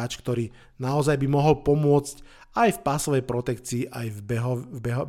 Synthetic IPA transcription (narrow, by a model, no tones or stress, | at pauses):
t͡ʃkt̪ɔɾiː | naɔzajbimɔɦɔlpɔmʊɔt͡sc | ajfpasɔʋɛjpɾɔt̪ɛkt͡siːʔajɛɦɔbɛɦɔ